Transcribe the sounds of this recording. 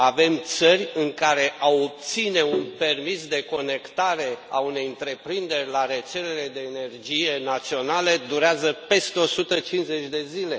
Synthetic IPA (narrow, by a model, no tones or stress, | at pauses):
ave̞mt̪sərʲɨŋkaɾe̞ʔaop̚t̪sine̞unpe̞rmisd̪e̞ko̞ne̞kt̪aɾe̞aune̞jɨnt̪ɾe̞pɾind̪e̞rʲlaɾe̞t̪se̞le̞le̞d̪e̞ːne̞rd͡ʒije̞nat̪sio̞naled̪uɾeazəpe̞st̪eo̞sut̪ət͡ʃinze̞t͡ʃʲd̪e̞zile̞